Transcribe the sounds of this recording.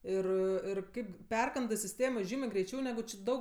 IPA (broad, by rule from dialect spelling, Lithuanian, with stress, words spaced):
ˈɪr ɪr ˈkɐɪp ˈpʲɛrkɐndɜ sʲɪˈsʲtʲeːmoː ˈʒʲiːmʲeː ɡrʲɛɪˈt͡ʃʲɛʊ nʲɛˈɡʊ t͡ʃʲɪ ˈdɐʊk